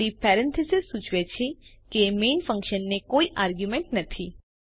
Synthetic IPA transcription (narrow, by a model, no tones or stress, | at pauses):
ɽipɛɾɛ̃nt̪ʰəsɪsːũt͡ʃʋet͡ʃʰekemeːnfə̃ŋkʃənːekoiʔaɾɡjumẽɳʈnət̪ʰi